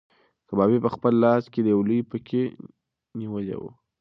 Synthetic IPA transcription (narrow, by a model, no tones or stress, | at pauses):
kəbɑbepəxpəlːɑsked̪əjwlupəkʰe | niwəlḛwṵ